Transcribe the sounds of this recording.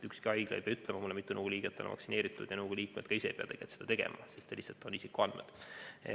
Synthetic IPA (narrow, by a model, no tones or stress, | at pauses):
ykskiɑjɡ̥leḛjpeɑyt̪ːˑlemɑmulːemit̪ːunəɡ̥uliːɡ̥et̪ːˑenɑ̰mɑ̰ksine̞ːɾit̪ːˑud̪̥jɑnɤːɡ̥uliːkmed̪̥̚kɑiseejpeɑ̰t̪e̞ɡ̥et̪sed̪ɑt̪e̞ɡḛmʔɑ̰sist̪ːeliset̪ːˑonisikuɑnd̪med̪̥